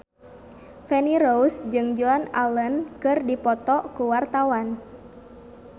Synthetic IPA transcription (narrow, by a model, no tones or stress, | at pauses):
fɛniɾousd͡ʒɨŋd͡ʒuanalənkɨrdipɔt̪ɔkuwart̪awan